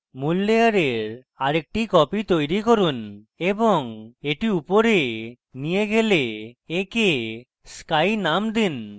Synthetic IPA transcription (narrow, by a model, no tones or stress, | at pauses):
mulːejaɾeɾ | aɾek̚ʈikɔpit̪ojɾikoɾun | eboŋeʈiupoɾe | nijeɡeleːke | skajnamd̪in